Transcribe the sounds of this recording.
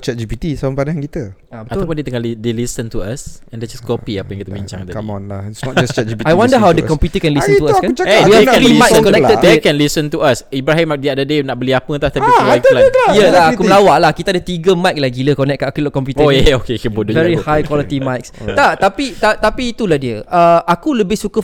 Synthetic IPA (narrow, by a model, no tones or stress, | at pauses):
t͡ʃɛt̚d͡ʒipit̪isaəpanahankit̪ə | abəat̪awpʊ̃ndet̪əŋalidelisə̃nt̪uasɛ̃ndɛd͡ʒaskɔpiapəjãŋkit̪əbiɲt͡ʃã̰ŋd̪əɔnlaisnɔt̚d͡ʒast͡ʃɛt̚d͡ʒipitajwãndəɦawdəkɔ̃mpjut̪əkɛ̃nlisə̃nuaskaut͡ʃaeaaekɛ̃imajkkɔnɛktədekɛ̃nlisə̃nt̪uasibɾaɦĩmadiadədenaʔ̚bəliapət̪aht̪apilklajəlaakuməlawaʔlahkit̪adət̪iɡəmajk̚laɡiləkɔnɛk̚akulkɔ̃mpjut̪əjɛokekɛnbodod͡ʒvɛɾihajkwɔlət̪imajkst̪at̪apit̪at̪apiːt̪ulahdiəʔəʔakuləbɪhsukə